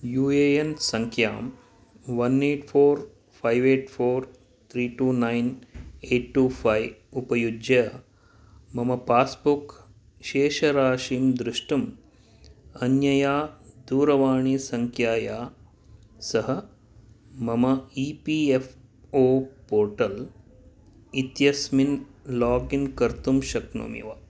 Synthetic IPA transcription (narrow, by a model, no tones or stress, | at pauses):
juːeːensɐŋkʰja̰ːm | ʋɐneːʈfʰoːɾ | pʰajʋeːʈfʰoːɾ | t̪ʰɾiːʈuːnajneːʈːuːfʰajupɐjud͡ʒɐ | mɐmɐpaːspuk | ʃeːʃɐɾaːʃiːmd̪ɾɪʂʈum | ɐnjɐjaːd̪uːɾɐʋaːɳiːsɐŋkʰjaːjaː | sɐɦɐ | mɐmɐiːpiːef | oːpoːɾʈɐl | it̪jɐsminlaːɡinkɐɾt̪umʃɐkno̰mjḭʋaː